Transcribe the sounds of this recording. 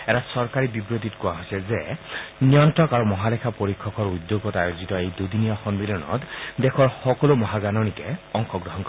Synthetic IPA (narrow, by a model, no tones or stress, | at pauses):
ɛtasɔɹkaɹibibɹot̪̬itkʊaɦojsɛzɛnijɔntɔkaɹumɔɦalɛkʰapoɹikʰːɔkɔɹud̪joɡɔtajozitɔejdudiniaxɔnbilɔnɔ̰tdɛkʰɔɹxɔkɔlomɔɦaɡanɔnikɛɔŋxɔɡɹɔɦɔnkɔ